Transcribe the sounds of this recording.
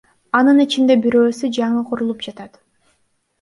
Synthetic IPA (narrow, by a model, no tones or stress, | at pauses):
ɑnɯnit͡ʃind̪e̞biɾøːsyd͡ʒɑɴɯqʰoɾulˠup̚d͡ʒɑt̪ɑt̪